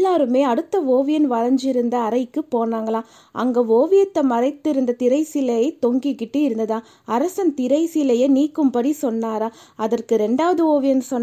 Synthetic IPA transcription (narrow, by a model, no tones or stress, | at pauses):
lːaːɾɯmeːɐɽɯt̪ːɐoːʋɪjɐnʋɐɾɐɲd͡ʒɪɾɯnd̪ɐːɾɐɪkːɯpoːnaːŋɡɐɭãː | ʔɐ̰ŋɡɐoːʋɪjɐt̪ːɐmɐɾɐɪt̪ːɪɾɯnd̪ɐt̪ɪɾɐɪsɪlɐjɐɪt̪ːɔŋɡikːɪʈːɯɪɾɯnd̪ɐðãː | ɐɾɐsɐnt̪ɪɾɐɪsilɐjɐniːkːɯmpɐɽisɔnːaːɾaːɐðɐrkɯɾɛɳɖaːʋɐðɯoːʋɪjɐnsɔnː